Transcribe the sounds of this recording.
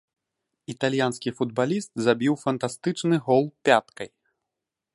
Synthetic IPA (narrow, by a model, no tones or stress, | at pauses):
it̪alʲjanskʲifud̪balʲist̪zabʲiwfɐnt̪ast̪ɨt͡ʂnɨɣɔlˠpʲat̪kɐj